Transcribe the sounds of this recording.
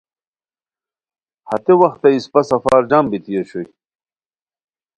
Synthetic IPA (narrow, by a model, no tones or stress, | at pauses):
hɐt̪ewɐxt̪ɐispɐsɐfaːɾd͡ʑambit̪ijoɕuj